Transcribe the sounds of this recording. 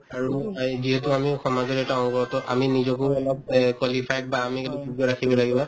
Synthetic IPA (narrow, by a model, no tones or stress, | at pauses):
aɹuziɦɛtʊamixɔmazɔtɛtaɔŋɡɔtɔʔa̰minizɔkuɔlɔb̚kwalipʰajt̚baːmikɛtubuɡɔɹakʰibɔlaɡibɔ